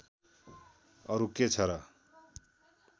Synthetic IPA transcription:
ʌɾuket͡sʰʌɾʌ

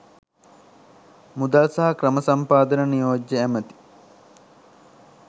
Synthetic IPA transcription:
mud̪alsɐɦɐkɾɐməsɐmpaːd̪ɐnənijoːd͡ʒːəæmət̪i̥

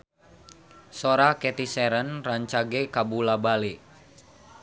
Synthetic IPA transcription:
soɾakɛt̪isɛɾənraɲt͡ʃaɡɛkabulabale

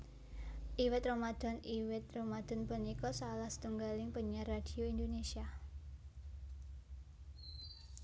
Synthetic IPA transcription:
ʔiwɪt̪̚romad̪̥ɔ̤nʔiwɪt̪̚romad̪̥ɔ̤npənikɔsalahsə̥t̪uŋɡalɪŋpəɲarad̥i̤oind̪onesia

